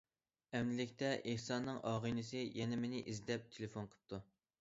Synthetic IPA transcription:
ɛmnɪlɪkʲt̪ʰɛʔehsɑnːɨŋɑːʁɨjnɨsɨjɛnɛmenɪʔizd̪ɛp̚t̪ʰelefonqʰə̥p̚t̪ʰu

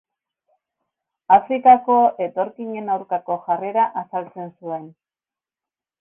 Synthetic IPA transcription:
afɾikako̞ʔe̞t̪o̞ɾkiɲe̞nawɾkako̞ʝare̞ɾaʔasalt͡se̞nsue̞n

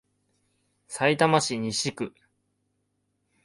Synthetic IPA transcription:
sait̪amaɕiɲ̟iɕikɯ̟

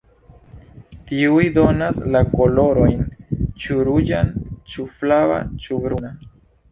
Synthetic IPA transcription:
t̪iujd̪o̞naslakolo̞ɾo̞jnt͡ʃuɾud͡ʒa̰nt͡ʃuflava̰t͡ʃuvɾuna

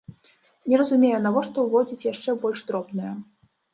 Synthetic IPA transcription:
nʲɛɾɐzumʲejɛnavɔʂt̪ɔwvɔd͡zʲit͡sʲjaʂt͡ʂɛbɔlʲʂt̪ɾɔbnɨjɐ

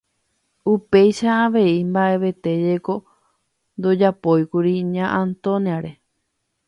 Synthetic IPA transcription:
upe̞jʃaːʋe̞imbaʔe̞ʋe̞t̪e̞d͡ʒe̞ko̞ | nd̪o̞d͡ʒapo̞jkuɾiɲãʔãnt̪õniaɾe̞

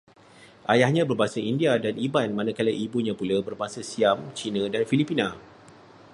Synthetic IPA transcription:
ʔajahɲãbərbaɦasaindiadanibanmanãkaləʔibuɲãpulabərbaɦasasiamt͡ʃinãdanfilipinã

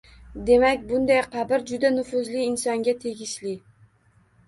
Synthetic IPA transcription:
d̪e̞makʲbʊnd̪ajqʰɑbɪɾd͡ʒʊd̪anʊfʊzlɪːnsɒŋɡʲat̪ʰe̞ɡʲɪʃlɪ

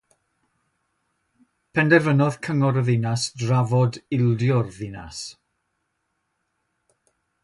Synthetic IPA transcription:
pʰɛndɛvənɔð̥kʰəŋɔɾəðɪnasdravɔdɪlˠdjʊrðɪna̰s

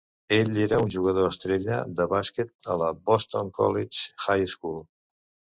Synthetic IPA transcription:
eʎeɾəunʲʒuɣəð̞oəst̪ɾeʎə̰d̪əβasket̪̚ə̰ləbɔst̪oŋkɔ̰lit͡ʃxajskulˠ

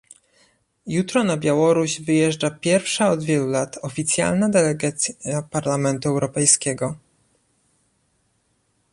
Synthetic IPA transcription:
jut̪ɾɔnabʲjawɔɾuʑvɘjɛʐd͡ʐapʲjɛɾfʂaɔd̪vʲjɛlulat̪ʰɔfʲit̪sʲja̰lnad̪ɛlɛɡat̪sʲapaɾlamɛnt̪uɛwɾɔpɛjskʲɛɡɔ

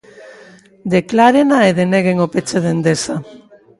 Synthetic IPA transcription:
d̪eklaɾenaeðeneɣeŋopet͡seðend̪esa

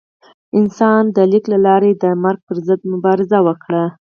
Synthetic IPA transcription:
ɪnsɑnd̪əliklalɑɾed̪əmaɾɡ̚pəɾzəd̪̚mʊbɑɾɪzawəkɽa

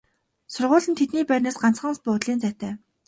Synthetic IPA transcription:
sʊrʁʊːɮɘ̆nt̪ʰet̪niːpæːɾʲnaːsɢan̥t͡sχə̆nspʊːt̪ɮiːnt͡sæːt̪æː

